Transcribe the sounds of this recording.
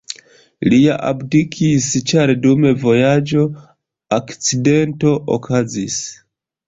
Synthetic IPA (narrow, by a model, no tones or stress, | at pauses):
liaʔa̰bdikʰist͡ʃaɾdume̞vo̞jad͡ʒo̞ | akt͡side̞nto̞ʔo̰kʰazis